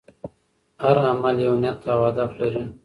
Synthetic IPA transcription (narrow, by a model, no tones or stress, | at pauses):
haɾamaljenjat̪ːawad̪aflaɾi